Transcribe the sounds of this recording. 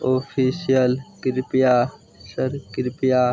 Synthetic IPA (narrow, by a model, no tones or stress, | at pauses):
oːpʰiːsijəlkɪɾpija | səɾkɪɾpijaː